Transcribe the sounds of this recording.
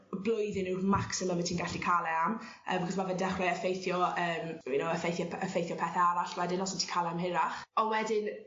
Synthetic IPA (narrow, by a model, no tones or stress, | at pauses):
blˠʊjðɪnɪmaksɪməlˠməntʰiːnɡaɬikʰalˠɛam | ə̰ːmbkχɔsmavɛndɛχrɛəfejθjɔəːminowəfejθjɔəfejθjɔpʰɛθɛaɾaɬwɛdɪnlɔsɔntʰiːkʰalˠɛamɦɪɾaχɔwɛdɪn